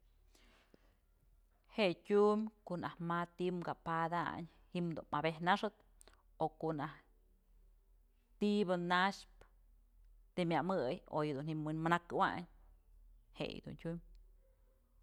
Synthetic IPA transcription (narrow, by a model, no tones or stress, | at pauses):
heʔtʲumʲkoʔnahmat̪imɡapad̪a̰ɲ | himd̪ṵnmabehnaʂɨt̪̚ | okoʔnah | t̪ibɨnaʃp | t̪emʲamɨjojɨd̪unhimɨnmanakwa̰ɲ | hḛj̰d̪ṵntʲumʲ